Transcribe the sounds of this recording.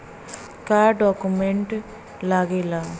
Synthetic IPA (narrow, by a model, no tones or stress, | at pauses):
kaːɾɖaːkumeɳʈ | laːɡila